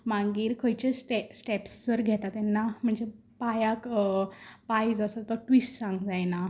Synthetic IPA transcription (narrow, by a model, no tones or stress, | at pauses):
mãŋɡiːɾkʰəjt͡ɕesʈesʈɛpsd͡zəɾɡʱɛt̪at̪ɛnːam̤əɳd͡ze | pajak | pajd͡zəsat̪ɔʈʋisʈsãŋɡd͡zajna